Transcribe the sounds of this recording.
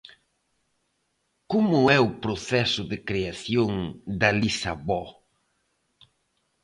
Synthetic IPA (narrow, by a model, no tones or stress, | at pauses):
komʊɛʊpɾoθɛsʊðɪkɾeaθjoŋd̪ɐlisaβɔ